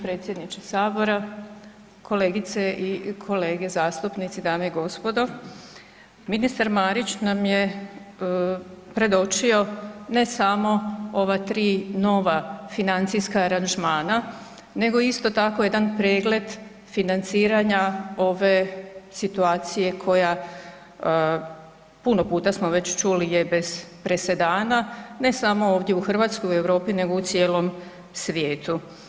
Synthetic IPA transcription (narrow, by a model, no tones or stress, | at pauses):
pɾe̞ːt̪sje̞d̪nit͡ʃesaːbo̞ɾa | kʰo̞le̞ːɡit̪seʔikʰo̞le̞ːɡe̞zaːst̪upnit̪sid̪aːmeiɡo̞spo̞d̪o̞ | minist̪aɾmaːɾit͡ɕnamje | pɾe̞d̪o̞t͡ʃio̞ne̞samo̞o̞ʋat̪ɾiːno̞ʋafinant̪sijskaːɾanʒmaːna | ne̞ɡo̞ist̪o̞t̪ako̞jed̪anpɾeːɡle̞d̪ | finant̪siːɾaɲao̞ʋe̞sit̪uaːt̪sije̞kʰo̞ja | puno̞puːt̪asmo̞ʋe̞t͡ɕt͡ʃulijebe̞z̥pɾe̞se̞d̪aːnane̞samo̞oːʋd̪jeuxr̩ʋaːt̪skojue̞wɾo̞ːpine̞ɡout̪sjeːlo̞m | sʋjeːt̪u